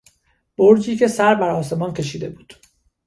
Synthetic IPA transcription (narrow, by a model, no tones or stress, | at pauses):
b̥oɾd͡ʒiːcʰe̞sæɾbæɾɒːse̞mɒːncʰe̞ʃiːd̪e̞buːd̪̥